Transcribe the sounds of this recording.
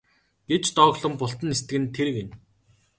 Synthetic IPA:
ɡ̥et͡ɕt̪ɔːɣɮə̆mpʊɬt̪ə̆nest̪ɘ̆ɣɘ̆nt̪ʰeɾɘ̆ɣen

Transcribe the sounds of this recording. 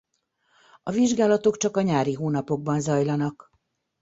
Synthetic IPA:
ɒviʒɡaːlɒt̪o̞kt͡ʃɒkɒɲaːɾiɦoːnɒpo̞ɡ̚bɒnzɒjlɒnɒk

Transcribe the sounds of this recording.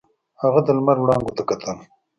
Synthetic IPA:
haɣad̪əlmaɾwɽɑːŋɡot̪akat̪ʰan

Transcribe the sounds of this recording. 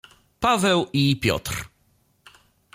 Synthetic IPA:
pavɛwipʲjɔ̰t̪ɾ

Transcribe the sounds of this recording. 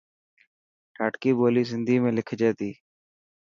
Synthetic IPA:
ʈʰaːʈkiːboːliːzɪnd̪iːmẽːlɪkʰd͡ʒeːt̪iː

